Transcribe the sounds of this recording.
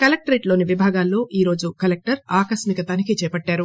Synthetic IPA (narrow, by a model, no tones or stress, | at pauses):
kɐlek̚ʈɐɾeːʈlo̞ːniʋibʱaːɡaːlːo̞ːʔiːɾo̞ːd͡ʒukɐlek̚ʈɐɾaːkɐsmikɐt̪ɐːnikit͡ʃɛːpɐʈːaːɾu